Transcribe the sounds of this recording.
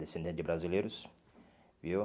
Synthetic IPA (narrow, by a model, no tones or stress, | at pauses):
d̪esẽnd̪ẽnɪbɾazilejɾus | vio